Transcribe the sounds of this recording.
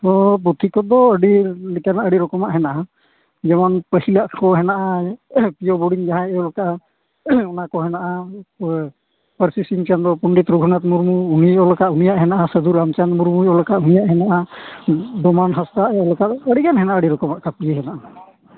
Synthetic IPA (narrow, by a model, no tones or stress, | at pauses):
t̪ɔp̬ut̪ʰikɔd̪ɔəɽilikanaʔəɽiɾɔkɔmaʔɦɛnaʔa | d͡ʒɛmanpəhilaʔkɔɦɛnaʔapijɔbɔɽiŋd͡ʒaɦãɛɔlɔkaʔ | ɔnakɔɦɛnaʔa | pəɾsisiŋt͡ʃand̪ɔpuɳɖit̪ɾuɡʱunat̪̚muɾmuuniɔlɔkaʔunijaʔɦɛnaʔasəd̪uɾamt͡ʃanmuɾmujɔlɔkaʔunijaʔhɛnaʔa | d̪ɔmanɦast̪aʔɛɔlɔkat̪əɽikanɦɛnaʔaəɽiɾɔkɔmaʔkapijeɦɛnaʔa